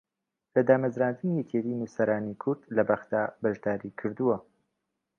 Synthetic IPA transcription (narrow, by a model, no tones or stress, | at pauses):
lɐd̪aːmɐzɾaːnd̪ɨnijɛcet̪iːnusɐɾaːnikʰʊɾd̪̥lɐbaxd̪aːbɐʒd̪aːɾikʰɨɾd̪uwɐ